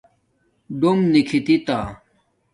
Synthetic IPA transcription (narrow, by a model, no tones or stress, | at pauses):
ɖomnikʰit̪it̪aː